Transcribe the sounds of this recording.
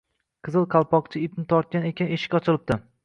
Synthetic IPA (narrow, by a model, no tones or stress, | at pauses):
qʰɨzɨlˠqʰɑlˠpʰɒqt͡ʃʰɪɪp̚nɪt̪ʰɒɾt̪̚kʲane̞kʲaneʃɪ̥kʲɒt͡ʃʰɪlɪp̚d̪̥ɪ